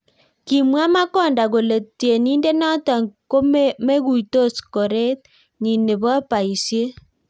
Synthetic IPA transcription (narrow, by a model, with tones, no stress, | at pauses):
ki˨mwa˦ma˦kɔ˦˨nda˨ɣo˨le˨tje˨niː˦nde˦nɔ˦ta˨ŋko˦me˦ɣu˨i˨to˦skɔ˨ɾe˦t̚ | ɲi˨ne˨βa˦pa˨i˨sje˦